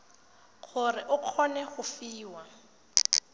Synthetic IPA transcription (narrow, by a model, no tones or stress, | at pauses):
ɣʊrɪʔʊq͡χʰɔnɛɣʊfiːwa